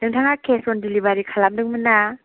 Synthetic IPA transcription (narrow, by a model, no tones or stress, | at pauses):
nɯŋtʰaŋakʰesɔndilibaɾikʰalamdɯŋmɯna